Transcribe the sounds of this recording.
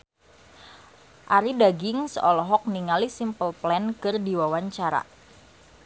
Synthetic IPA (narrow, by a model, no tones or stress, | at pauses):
ʔaɾidaɡɪŋsəʔɔlɔɦɔk̚niŋalisimpəlplɛnkɨrdiwawaɲt͡ʃaɾa̰